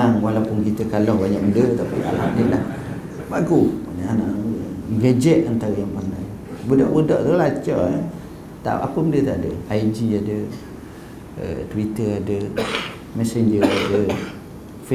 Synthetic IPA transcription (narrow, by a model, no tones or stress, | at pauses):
aŋwalapʊnkit̪əkalɔhbaɲaʔməndət̪apḭa̰lhamdilah | baɡuanaanaʔɡad͡ʒɛʔant̪aɾəjaŋpərnaj | bədɔ̰ʔbədɔʔt̪əlat͡ʃɔ | t̪a̰ʔa̰pəməndət̪aʔadəaid͡ʒiadə | ə̰t̪əwit̪əadə | mɛseɲd͡ʒəadə | f